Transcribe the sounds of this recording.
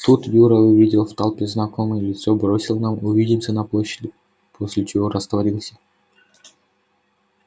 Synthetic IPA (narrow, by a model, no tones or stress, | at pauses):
t̪ut̪juɾəʊvʲidʲɪlˠft̪alˠpʲɪznɐkomɨjəlʲɪt̪sobɾosʲɪlˠnamʊvʲidʲɪmsʲənɐplˠoɕːɪdʲɪ | pʰosʲlʲɪt͡ɕɪvoɾəst̪vɐɾʲilˠsʲə̥